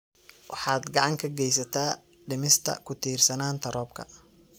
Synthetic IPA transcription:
wʔɑħɑːd̪ɡɑʕɑŋkʰɐɡɛjsɐt̪ʰaː | ɖɪmɪst̪ʰɐ̰kʰʊt̪ʰiːrsɐnaːnt̪ʰɐɾɔːb̚kʰɐ̰

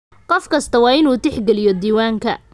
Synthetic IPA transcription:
qɔfkʰɐst̪ʰɐwɑːɪnuːt̪ɪħɡɛlɪjɔd̪iːwaːŋkʰɐ̰

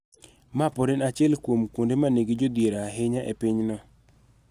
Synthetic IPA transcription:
mapɔɾinat͡ʃɪɛlkwomkondemaneɡid͡ʒod̪jeɾaɦɪɲaʔepiɲnɔ

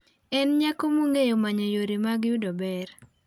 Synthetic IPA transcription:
ɛnɲakomoŋejomaɲɔjoɾimaɡjudobɛɾ

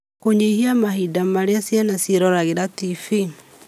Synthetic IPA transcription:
koɲehiamaɦidamaɾeasjanasjeɾɔɾaɣeɾatifi

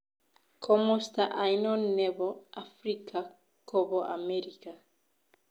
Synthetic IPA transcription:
kʰomost̪aʔajnɔnːeβoafɾikʰa | kʰoboʔa̰meɾika

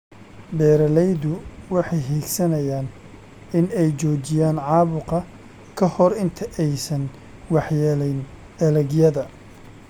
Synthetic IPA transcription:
bɛːɾɐlɛjðʊwɑħɑjɦiːlsɐnɐjaːn | ɪnɛjt͡ʃɔːt͡ʃɪjaːnʕɑːβʊqɐ | kʰɐhɔɾɪnt̪ʰɐʔɛjsɐn | wɑħjɛlɛjn | ɛlɛɣjɐðɐ

